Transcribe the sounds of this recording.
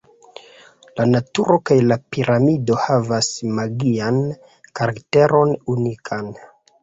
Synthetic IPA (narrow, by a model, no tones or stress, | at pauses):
lanatuɾo̞kajlapiɾʔamido̞havasmaɡian | kaɾakte̞ɾo̞nunikʰan